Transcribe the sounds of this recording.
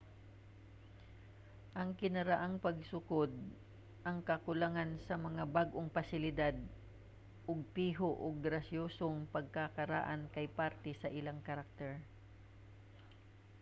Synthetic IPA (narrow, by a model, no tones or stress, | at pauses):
ʔɐŋkɪnɐɾaʔaŋpɐɡsʊkod̪̚ | ʔɐŋkɐkʊlaŋansɐmɐŋabaɡʔoŋpasɪlɪd̪ad̪̚ | ʔoɡ̚piːɦoʔoɡɾɐsjoːsoŋpɐɡ̚kakɐɾa̰ʔankɐjpaɾt̪ɛsɐʔɪlaŋkɐɾak̚t̪ɛɹ